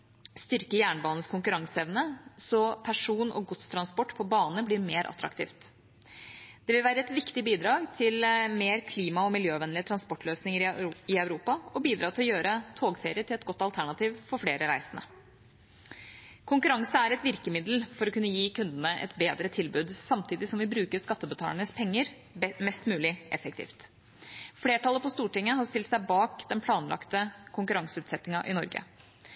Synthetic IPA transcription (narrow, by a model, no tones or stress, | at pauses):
st̪ʏɾkəjæːɳəbɑːnəskʰʊŋkʉɾɑŋsəɛʋnəsɔpʰæʂuːnʔɔ̰ɡʊt̪st̪ʰɾɑnspɔʈːpʰɔbɑːnnəblɪɾmeːɾʔɑ̰t̪ɾɑ̰kt̪ʰḭːft̪ | d̪̥ɛʋɪlʋæːɾəɛt̪ʋɪkt̪ɪbiːd̪ɾɑːɡt̪ʰɪlmeːɾkʰliːmɑɔmɪljøːʋɛnlɪət̪ʰɾɑnspɔʈːløːsnɪŋəɪœʉɾuːpɑɔbiːd̪ɾɑːt̪ʰɪlɔjøːɾət̪ʰoːɡfeːɾɪəʈ̪ɪlɛt̪ɡɔt̪ːɑlt̪ʰæɳɑt̪iːʋfɔɾfɽeːɾəɾæɪsənə̰ | kʰʊŋkʉɾɑŋsəæɾɛt̪ʋɪɾkəmɪd̪l̩fɔɾɔkʉnːəjiːkʰʉnd̪ənəʔɛ̰t̪beːd̪ɾət̪ʰɪlbʉːd̪sɑmt̪ʰiːd̪ɪsɔmʋɪbɾʉːkəʂkɑt̪ːəbət̪ʰɑ̰ləɳəspʰɛŋːəɾ | mɛst̪mʉːlɪʔɛ̰fək̚t̪ʰḭːft̪ | fleːʈɑlːˠəpɔst̪uːʈɪŋːəɦɑɾst̪ɪlt̪sæɪbɑːkd̪ɛnpʰlɑːnlʔɑ̰kt̪əkʰʊŋkʉɾɑŋsəʉːt̪sɛt̪nɪŋɑʔɪnɔɾɡə̰